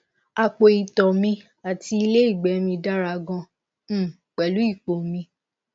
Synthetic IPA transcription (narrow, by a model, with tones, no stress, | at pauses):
a˨k͡po˨i˨tɔ˨mĩ˧ | a˨ti˧i˧le˦i˦˨ɡ͡bɛ˨˦mĩ˧da˦ɾa˧ɡɔ̃˧˦ | k͡pɛ˨lu˨˦i˦˨k͡po˨mĩ˧